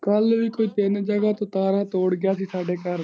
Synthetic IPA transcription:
kəlʋiːkoːiːt̪eːnːd͡ʒəɡaːt̪õːt̪aːɾaːt̪oːɽɡɪjaːsiːsaːɖeːkəɾ

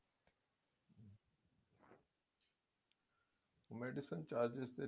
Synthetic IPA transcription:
meɖisənt͡ɕaːɾd͡ʒest̪e

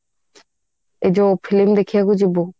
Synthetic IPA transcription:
ed͡ʑopʰilimd̪ekʰijakud͡ʑibo

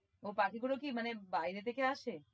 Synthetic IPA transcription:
opakʰikuɽokimənebaiɾet̪ekjãaʃe

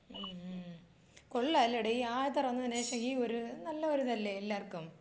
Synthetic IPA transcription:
koɭːaːlːɐɽeiaːjt̪ɐrɐnːɐt̪ɐnːeɕɐɦioɾunɐlːɐoɾut̪ɐlːeelːaːrkːum

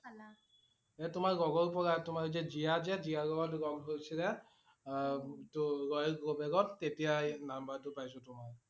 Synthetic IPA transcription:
ɛtʊmaɹɡɔɡɔɹpɔɡatʊmaɹzɛzijazɛzijaɡɔɡɔtɡɔmɦojsʰilɛ | tɡɔjɡobɛɡɔtːetijajnambatʊpajsʊtʊmaɹ

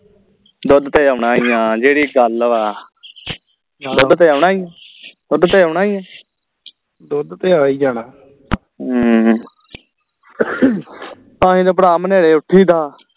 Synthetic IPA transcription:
d̪ʊd̪t̪eːəɽaːiːãːd͡ʒeːɽiːɡəlʋaː | d̪ʊd̪t̪eːaʊɳaːiːjãːd̪̥ʊd̪t̪eːəʊɳaːijãː | d̪ʊd̪t̪eːaid͡ʒaːnaː | ãːɦĩːd̪oːp̬əɽaːməneːɽeːʊʈʰːiːd̪aː

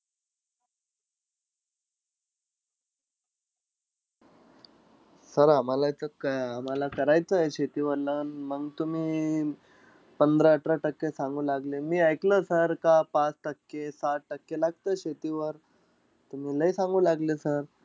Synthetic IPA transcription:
səɾam̤alat͡səkam̤alakəɾajt͡səɦeɕet̪iːʋəɾlənməɡt̪um̤iː | pənd̪ɾəəʈɾaʈəkːesãŋɡũːlaɡlemiːajkləːsəɾkapat͡sʈəkːesaʈ̚ʈəkːelaɡ̚t̪əːɕet̪iːʋəɾ | t̪um̤iːləisãŋɡũːlaɡlesəɾ

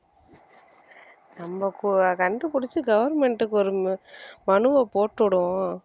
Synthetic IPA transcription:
nɐmbɐkukɐɳɖɯpʊɽɪt͡ʃːɯɡɐʋɐɾmɛɳʈɯkːɔɾɯmɐɳɯʋɐpoːʈːɔɽʊ̃

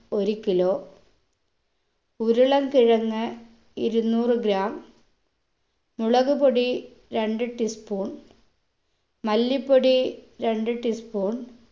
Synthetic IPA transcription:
oɾikːiloː | uɾuɭɐmkiɻɐŋːɨ | iɾunːuːrɨɡɾaːm | uɭɐɣupoɽi | ɾeɳɖɨʈːispuːɳ | mɐlːipːoɽiɾe̞ɳɖɨʈːispuːɳ

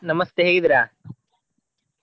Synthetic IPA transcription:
nɐmɐst̪eɦeːɡid̪iɾa

